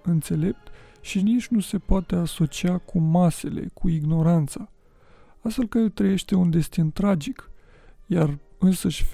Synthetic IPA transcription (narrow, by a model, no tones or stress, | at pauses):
ɨnt̪se̞le̞p̚t̪ʃinit͡ʃʲnuse̞poat̪e̞aso̞t͡ʃiakʰumase̞le̞̰kʰuiɡno̞ɾant̪sa | ast̪fe̞lkət̪ɾəje̞ʃt̪e̞und̪e̞st̪int̪ɾad͡ʒik | jarɨnsəʃʲ